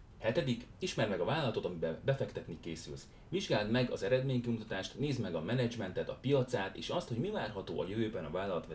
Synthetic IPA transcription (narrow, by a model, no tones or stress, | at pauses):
hɛt̪ɛd̪ikiʃmɛrmɛɡɒvaːlːɒlɒt̪o̞t̪ɒmibɛbɛfɛkt̪ɛt̪nikeːsy̰ls | viʒɡaːld̪mɛɡɒ̰zɛɾɛd̪meːɲkimut̪ɒt̪aːʃt̪neːzmɛɡɒmɛnɛd͡ʒmɛnt̪ɛt̪ɒpijɒt̪saːt̪ḛːʃɒst̪ho̞ɟmivaːrɦɒt̪oːʔɒ̰jøvøːbɛnɒvaːlːɒlɒt̪ʋɛ